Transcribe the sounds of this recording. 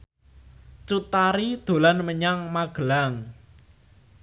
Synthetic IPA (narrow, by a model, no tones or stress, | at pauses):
t͡ʃut̪aɾid̪̥o̤lanməɲaŋmaɡ̥əlaŋ